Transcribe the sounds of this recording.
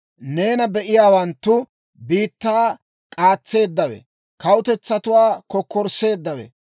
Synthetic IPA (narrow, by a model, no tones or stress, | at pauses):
ne̞ːnɐbɛʔɪjaːwɐnt̪ːʊ | biːt̪ːaː | kʼaːt͡sːe̞ːd̪ːɐwɛ̰ | kɐwʊt̪ɛt͡sːɐt̪ʊwaːkɔkːɔɾse̞ːd̪ːɐwɛ̰